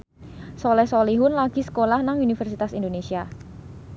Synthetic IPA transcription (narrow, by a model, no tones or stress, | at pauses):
solɛsoliɦʊnlaɡ̥i̤sə̥kolahnaŋunifɛrsit̪asindonesia